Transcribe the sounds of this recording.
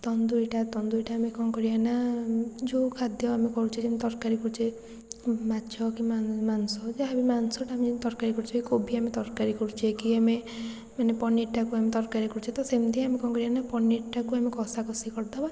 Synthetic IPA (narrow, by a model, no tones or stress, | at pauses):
t̪ɔnd̪uiʈat̪ɔnd̪uiʈaːmekɔkɔɾianad͡ʒokʰad̪ʱjɔamekɔɾut͡ʃʰid͡ʒeamet̪ɔɾkaɾikɔɾut͡ʃʰe | matːt͡ʃʰɔkimamansɔd͡ʒeamimansɔʈaːmid͡ʒnt̪ɔɾkaɾikɔɾut͡ʃʰɔkikobʱiamet̪ɔɾkaɾikɔɾut͡ʃʰekiame | manepɔneʈakuamet̪ɔɾkaɾikɔɾut͡ʃʰet̪ɔsemd̪ʰʱiamekɔ̃kɔɾianapɔneʈʈakuamekɔsakɔsikɔɾt̪aba